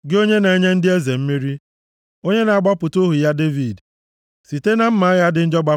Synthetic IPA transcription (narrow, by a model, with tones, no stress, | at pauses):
ɡɪ˦o˦ɲe˦na˨e˦ɲe˦n̩˦dɪ˦e˦ze˨m̩˦mi˦ɾi˦ | o˦ɲe˦na˨a˨ɡ͡ba˦pʊ˨to˦ɦu˨ja˦de˦vi˨d | si˨te˦na˨m̩˦ma˨˦ja˦dɪ˨n̩˦d͡ʒɔ˦ɡ͡ba˦